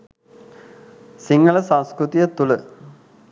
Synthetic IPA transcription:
siŋɡələsãnskɾut̪ijət̪ulə

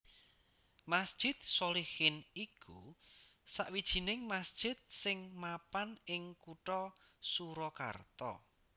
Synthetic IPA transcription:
masd̥ʒ̥ɪt̪̚solihɪnikʰu | saʔwid̥ʒ̥i̤nɪŋmasd̥ʒ̥ɪt̪̚sɪŋmapanɪŋkuʈɔ | suɾɔka̰rt̪ɔ̰

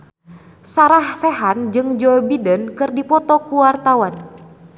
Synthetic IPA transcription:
saɾahsɛɦand͡ʒɨŋd͡ʒɔbidənkɨrdipɔt̪ɔkuwart̪awan

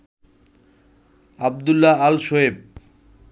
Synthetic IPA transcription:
ab̚d̪ulːaalʃoɦeb̚

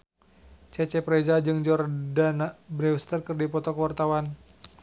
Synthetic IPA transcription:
t͡ʃɛt͡ʃɛpɾɛd͡ʒad͡ʒɨŋd͡ʒɔrdanabɾɛwst̪ərkɨrdipɔt̪ɔkəwart̪awan

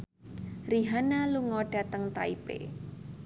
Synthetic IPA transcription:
riɦanaluŋɔɖ̥a̤t̪əŋt̪aipḛ

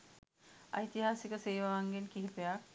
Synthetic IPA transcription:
ə̰jt̪iɦasikəseːʋaʋaŋɡenkiɦpjak

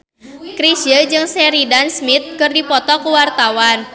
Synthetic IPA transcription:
kɾisjəd͡ʒɨŋsɛɾidansmit̪̚kɨrdipɔt̪ɔkəwart̪awan

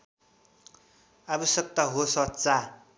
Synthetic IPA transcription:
abʌsʌk̚t̪aɦosʌt͡sa

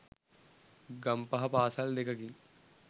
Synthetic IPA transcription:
ɡɐmpɐɦɐpaːsɐld̪ekɐki

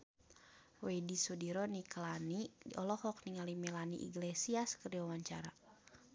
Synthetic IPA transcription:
wɛdisɔdiɾɔniklanidiʔɔlɔhɔk̚niŋalimɛlanḭʔḭɡlesiaskəɾiwawaɲt͡ʃaɾa

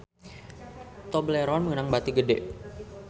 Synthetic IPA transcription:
t̪ɔbəleɾɔnməŋənaŋbat̪iɡədɛ̰ʔ

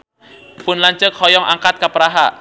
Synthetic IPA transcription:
pʊnlaɲt͡ʃəkhɔjɔŋʔa̰ŋkat̪̚kapɾaɦa

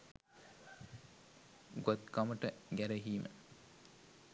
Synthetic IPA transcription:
ɡot̪kaməʈəɡæɾəɦiːmə̰

